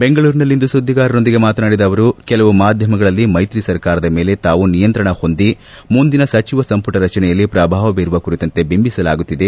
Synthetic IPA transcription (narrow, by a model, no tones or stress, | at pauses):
be̞ŋɡɐɭuːɾinɐlːind̪usud̪ʱːiɡaːɾɐno̞nd̪iɡe̞maːt̪ɐnaːɽid̪ɐːʋɐɾukɛlɐʋumaːd̪ʱjɐmɐɡɐɭɐlːimɐjt̪ɾisɐɾkaːɾɐd̪ɐme̞ːle̞t̪aːʋunijɐnt̪ɾɐɳɐho̞nd̪i | mund̪inɐsɐt͡ʃiʋɐsɐmpuʈɐɾɐt͡ʃɐnɛjɐlːipɾaːbʱaːʋɐʋiɾuʋɐkuɾit̪ɐnt̪e̞bimbisɐlaːɡut̪ːid̪e̞